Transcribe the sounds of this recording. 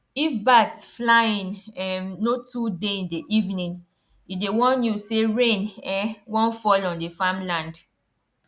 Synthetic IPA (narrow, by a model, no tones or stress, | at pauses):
ifbatsflaĩnɛmnotudeĩndeʔivnĩn | idewɔ̃njuseɹẽnɛwɔ̃nfɔlɔ̃ndefamlãnd